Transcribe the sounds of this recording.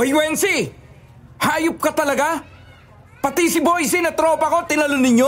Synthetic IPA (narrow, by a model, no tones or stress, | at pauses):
ɐjwɛnsɪ | haːjʊp̚kɐt̪ɐlɐɡa | pɐt̪ɪsɪbojsɪnɐt̪ɾo̞ːpɐko̞t̪ɪnɐlonɪɲːo